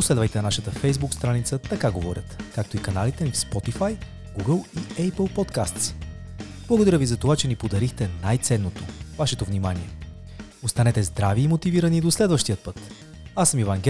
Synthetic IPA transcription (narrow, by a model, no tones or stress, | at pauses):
poslɛd̪vəjt̪ɛnɐnaʃət̪əfɛjzbukst̪ɾanit̪sət̪ɐkaɡovɔɾʲət̪kak̚t̪oikɐnalit̪ɛnifspɔt̪ifaj | ɡuɡəlˠiɛpəlˠpɔt̪kast̪s | b̥lˠɐɡod̪ɐɾʲəvizɐt̪ovat͡ʃɛnipod̪ɐɾixt̪ɛnajt̪sɛnːot̪ovaʃɛt̪ovnimaniɛ | ot̪st̪ɐnɛt̪ɛzd̪ɾaviːmot̪iviɾɐnid̪oslɛd̪vəʃt̪ijət̪̚pɤt̪ | asəmivaŋɡʲɛ